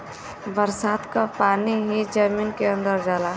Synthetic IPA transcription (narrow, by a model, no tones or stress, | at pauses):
bəɾsaːd̪kapaːniɦid͡ʒəmiːnkeə̃nd̪əɾd͡ʒaːlaː